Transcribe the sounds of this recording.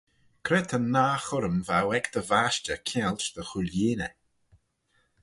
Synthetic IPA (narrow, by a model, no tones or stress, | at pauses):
kʰɾɛt̪ʰənːaːxʊɾəmvawɛkd̪̥əvaʃt͡ʃəkʰɛlt͡ʃd̪̥əxuleːnə̰